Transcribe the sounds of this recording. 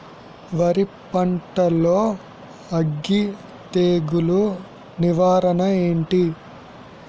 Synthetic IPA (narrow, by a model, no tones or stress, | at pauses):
ʋɐɾipɐɳʈɐloː | ɐɡːi | t̪eːɡulu | niʋaːɾɐnɐe̞ːɳʈi